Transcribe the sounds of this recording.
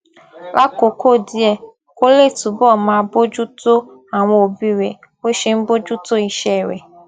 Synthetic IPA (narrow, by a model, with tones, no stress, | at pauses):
la˦ko˨ko˦˨di˦ɛ˧ | ko˦le˦˨tu˨bɔ˦˨mã˨bo˦d͡ʒu˦to˦ | a˨ŋ̃ʷo˨o˨bi˦ɾe˨ | o˦ʃe˦m̩˦bo˦d͡ʒu˦to˦i˦ʃɛ˦˨ɾḛ˨